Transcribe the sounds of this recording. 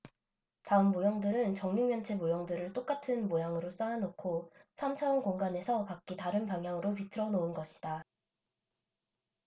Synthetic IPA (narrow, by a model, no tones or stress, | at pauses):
taɯmːojʌŋdɯɾɯnt͡ɕʌŋɲiŋmjʌnt͡ɕʰe̞mojʌŋdɯɾɯɭt͈ok͈atʰɯnmojaŋɯɾos͈aanokʰosʰamt͡ɕʰaʌnkoŋɡane̞sʰʌkak͈̚itaɾɯnpaŋɦjaŋɯɾopitʰɯɾʌnoɯnɡʌɕʰi̥d̥a